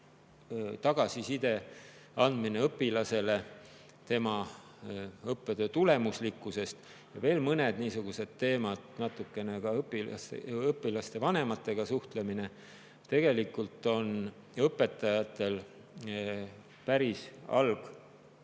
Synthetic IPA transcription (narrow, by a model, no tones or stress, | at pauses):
t̪ɑɡ̥ɑsisid̪̥e̞ | ɑnd̪̥mine̞ɤpːˑilɑse̞le̞ | t̪e̞mɑ | ɤpːˑed̪̥øt̪ule̞muslikːˑuse̞st̪ | jɑve̞ːlmɤne̞d̪niːsuɡ̥use̞d̪̥̚t̪e̞ːmɑd̪̥nɑt̪ːukːˑe̞ne̞kɑɤpːḭseɤpːilɑst̪e̞vɑne̞mɑt̪ˑːe̞ɡ̥ɑsuht̪le̞mine̞ | t̪e̞ɡ̥e̞likːˑult̪ːˑo̞n | ɤpːˑe̞t̪ːˑɑjɑt̪ːˑe̞l | pæɾisɑ̰lɡ̥